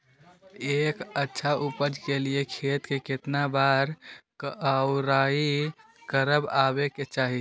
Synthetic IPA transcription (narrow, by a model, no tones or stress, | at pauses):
eːkətːʃʰaʔupəd͡ʒkeliekʰet̪keket̪nabaɾkəʊɾai | kəɾəbabeket͡ʃaːɦi